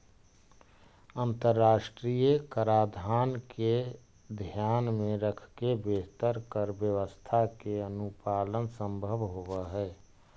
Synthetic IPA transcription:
ənt̪əɾːaːʃʈɾijəkəɾaːd̪ʱaːnke | d̪ʱjaːnmẽɾəkʰkebeːɦt̪əɾkəɾbjəʋəst̪ʰakeənupaːlənsə̃mbʱəʋɦowəɦɛː

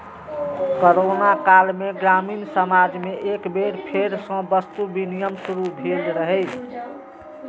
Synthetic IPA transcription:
koɾonakalmeɡɾaminsəmad͡ʒmeʔekbeɾpʰeɾsə̃bəst̪ubinijəmsuɾubʱelɾəɦɛj

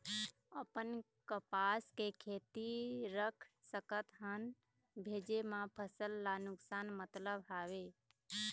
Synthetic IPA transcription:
əpən | kəpaskekʰet̪iɾəkʰsəkət̪ɦən | bʱeːd͡ʒemãpʰəsəlːanʊksanmət̪ləbɦaʋe

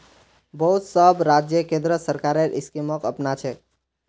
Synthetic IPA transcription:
bəɦut̪səbɾad͡ʒjəkẽnd̪ɾəsəɾkaɾeɾʔiskiməkəpnat͡ʃʰɛ

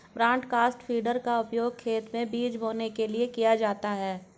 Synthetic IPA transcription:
bɾãːɳʈkaːsʈfʰiːɖəɾkaʊpjoːɡ̚kʰeːt̪mẽbiːd͡ʒɦoːnekeliekijad͡ʒaːt̪aɦɛː

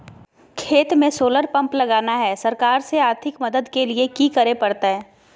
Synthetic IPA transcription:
kʰeːt̪mẽsoːləɾpɐ̃mplɐɡaːnaɦɛːsɐɾkaːɾseaːɾt̪ʰɪkmɐd̪əd̪keliekikɐɾepɐɽt̪aɦɛː

